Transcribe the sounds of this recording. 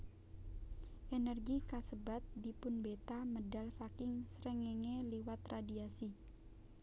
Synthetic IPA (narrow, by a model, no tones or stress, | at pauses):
ʔenɛrɡikasəbat̪̚dipʊnbet̪amədalsakɪŋsɾɛŋeŋeliwat̪radiasi